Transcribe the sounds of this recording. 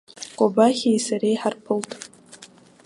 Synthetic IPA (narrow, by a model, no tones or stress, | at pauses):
kʷʼobaχʲajsaɾejħarpʰɨltʼ